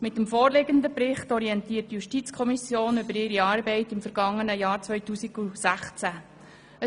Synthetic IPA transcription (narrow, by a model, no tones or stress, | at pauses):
mɪtəmfoːrlɪɡənd̪əpɾɪχtɔɾiɛntiːtjuʃtit͡skʰɔmisjoːnʏbəɾɪɾiɑːɾbɛɪtɪmfəɾɡ̥ɑŋːənəjɑːɾt͡sʋœʏtuːsiɡ̥usæχt͡sæ | ə